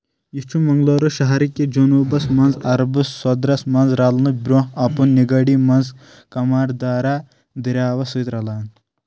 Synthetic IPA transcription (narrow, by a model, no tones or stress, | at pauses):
jit͡ʃʰumɐŋɡloːɾoʃɐɦaɾikʲːed͡ʒonuːbɐsmɐnzɐɾɐbɨsːɐd̪ɾɐsmɐnzɾalnɨbɾoːɦɐpunːiɡɐɽimɐnz | kɐmaːɾd̪aːɾa | d̪iɾʲaːʋɐsujt̪ɾɐlaːn